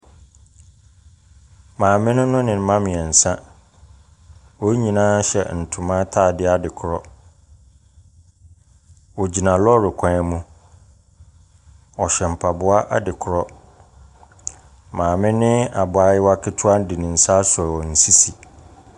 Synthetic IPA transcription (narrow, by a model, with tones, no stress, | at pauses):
mãː˨mɪ̃˦nʊ̃˦nʊ̃˦nɪ̃˨m̩˨mã˦mɪ̃˨ɛ˨n̩˨sã˦ | wo˦ɲĩ˨nãː˦ɕɛ̰˨n̩˨tʰʊ̃˨mã˦tʰaː˦˨dɪ˦a˦dɪ˨kʰʊ˨ɾɔ˦ | wɔ˨d͡ʑi˨nã˨lɔ˦ɾɪ˨kʷʰã˦mũ˦ | ɔ˨ɕɛ˨m̩˨pʰa˨bʊ˦a˦ʔa̰˦dɪ˨kʰʊ˨ɾɔ˦ | mãː˨mɪ̃˦nɪ̃˦a˨bʊ˨a˨jɪ˦wa˦kʰɪ˦tʰʊ˦a˦n̩˦dɪ˨nɪ̃˨n̩˨sa˦sɔ˨wɔ˨n̩˨si˦si˨